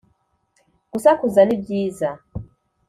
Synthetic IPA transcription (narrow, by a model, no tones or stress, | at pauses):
ɡ̥usakuzanibjiːza